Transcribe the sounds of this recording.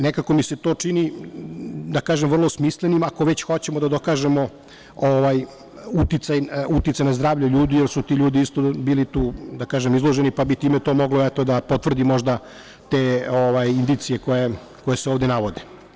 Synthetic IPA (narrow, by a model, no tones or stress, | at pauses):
nekako̞miset̪o̞ːt͡ʂini | d̪akaːʒemvrlˠosmislenimakoʋe̞t͡ɕxot͡ɕemod̪ad̪okaːʒe̞mo̞ | oʋaj | ut̪it̪sajut̪it̪sajnazd̪ɾaːʋʎoʎuːd̪ijeɾsut̪iʎuːd̪iist̪obiːlit̪uːd̪akaːʒemizlˠo̞ʒenipabit̪iːmet̪o̞ːmo̞ɡloɛt̪o̞d̪apo̞t̪ʋr̩d̪imo̞ʒd̪a | t̪eːoʋajind̪it̪sije̞koje | ko̞jeseoːʋd̪enaʋod̪e